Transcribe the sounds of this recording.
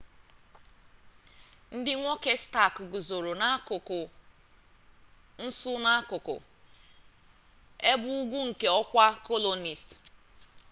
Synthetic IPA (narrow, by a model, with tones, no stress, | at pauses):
n̩˦dɪ˦ŋʷo˦ke˦sta˦˨kɡu˨zo˨ɾo˨na˦ʊ˨kʊ˨ | n̩˦sʊ˦na˦kʊ˨kʊ̰˨ | e˦bʊ˦u˦ɡʷu˦ŋ̩˨ke˦ɔ˦kʷa˦ko˦lo˨ni˨st